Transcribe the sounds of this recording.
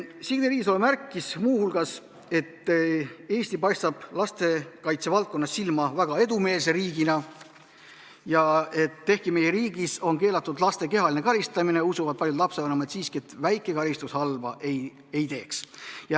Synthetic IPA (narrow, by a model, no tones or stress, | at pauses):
siɡneɾiːɡiso̞lemærkˑːismuːhulɡ̥ɑs | e̞t̪ː | e̞ːsʲt̪ipɑjst̪ɑb̥lɑst̪e̞kɑjt̪se̞vɑlt̪̚ko̞nːɑsːilmɑvæɡ̥ɑe̞d̪ume̞ːls̬e̞ɾiːɡ̥inɑ | jɑe̞t̪ːe̞hkime̞jeɾiːɡ̥iso̞nke̞ːlɑt̪ːˑud̪lɑst̪e̞ke̞ɦɑlʲine̞kɑlʲist̪ɑmineusuvɑd̪̥̚pɑljud̪lɑpseɑnɑmɑet̪siːskie̞t̪væjkˑːe̞kɑlʲist̪ushɑlvɑ̰ʔej | e̞jt̪e̞ːksjɑ